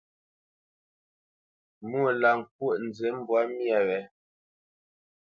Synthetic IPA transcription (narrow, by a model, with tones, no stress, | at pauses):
mu˦o˨la˨ŋ̩˨k̚wo˦˨ʔn̩˨d͡ze˨˦m̩˦bwa˦mja˨wɛ˨